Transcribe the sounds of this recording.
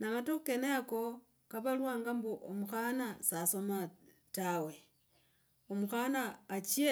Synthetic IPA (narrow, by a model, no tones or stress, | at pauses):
naŋatukeneako | kaβalwaːŋɡambuʔomuxanasaso̞ma | tawe̞ | omuxanaːt͡ʃje